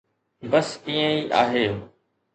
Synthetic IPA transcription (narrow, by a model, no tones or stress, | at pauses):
bɐsĩːə̃iːʔa̰ːɦeː